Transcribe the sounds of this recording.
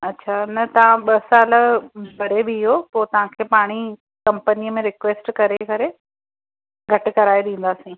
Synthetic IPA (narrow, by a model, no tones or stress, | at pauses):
ɐtːɕʰanɐt̪ɐʋ̤ãɓɐsaːlə̆bʱɐɾebɪɪɦopoːt̪ɐʋ̤ãkʰeːpaːɽ̃i | kɐ̃mpəniəmẽɾɪkʋeːsʈkɐɾekɐɾe | ɡʱɐʈ̆kɐɾaːeɗ̪ẽːn̆d̪aːsĩː